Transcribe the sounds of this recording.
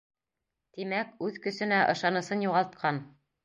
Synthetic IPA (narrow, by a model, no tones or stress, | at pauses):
t̪imækʉðkɵ̆sɵ̆næʔɤ̆ʃɑnɤ̆sɤnjuʁɑlˠt̪̚qʰɑn